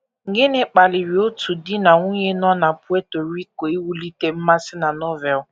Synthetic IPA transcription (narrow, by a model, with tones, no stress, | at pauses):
ŋ̩˨ɡɪ˦nɪ˦k͡pa˨lɪ˨ɾi˨o˦tu˨di˦na˨ŋʷu˦ɲe˦nɔ˦na˨pʊ˦e˦to˨ɾi˦ko˨i˦wu˦li˦te˦m̩˦ma˦sɪ˦na˨nɔ˦vɛ˨l